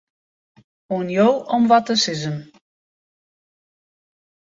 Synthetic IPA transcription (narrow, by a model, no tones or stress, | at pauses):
unjowʔɔmʋɔtəsɪzəm